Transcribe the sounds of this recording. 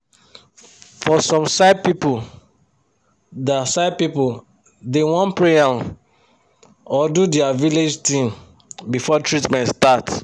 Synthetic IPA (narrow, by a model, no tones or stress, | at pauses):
fɔsɔ̃msaɪpipu | dasaɪb̚pipul | dewɔ̃npɹeãn | ɔdudɛaviled͡ʒtĩm | bifɔtɹitmɛ̃ntstat